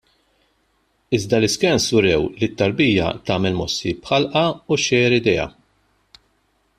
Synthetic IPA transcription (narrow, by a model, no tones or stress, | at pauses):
ɪzd̪ɐlɪskɛnsʊɾɛwlit̪ːɐɾbiːjɐ̰t̪ɐːmɛlmɔsːipħɐlʔɐuʃɛːɾɪd̪ɛjɐ̰